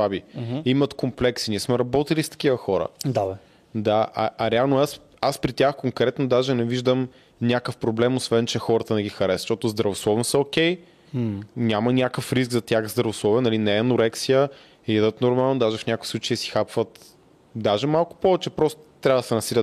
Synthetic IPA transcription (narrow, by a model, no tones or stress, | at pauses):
vabiimət̪komplɛksinʲiɛsmɛɾɐbɔt̪ilist̪ɐ̥k̟ivəxɔɾə̰d̪a | d̪aʔa̰ʔɐɾɛalˠnoas | aspɾit̪ʲaxkoŋkɾɛt̪nod̪aʒɛnɛviʒd̪əm | nʲakəfpɾoblɛmosvɛnt͡ʃɛxɔɾət̪ənɛɡʲixɐɾɛsʃt̪ɔt̪ʊzd̪ɾɐvoslˠɔvnsɛokʲɛj | nʲamɐnʲakəfɾis̬ɡzɐt̪ʲjaxzd̪ɾɐvoslˠɔviənɐlinɛːnʊɾɛksijə | ɛjɛd̪ət̪noɾmalˠnod̪aʒɛfnʲakʊi̥sˠut͡ʃejəsi̥xapvət̪ | d̪aʒɛmalˠkʊ̥pɔvɛt͡ʃɛpɾɔst̪o̥t̪ːɾʲavəd̪ɐsɛnɐsilʲət̪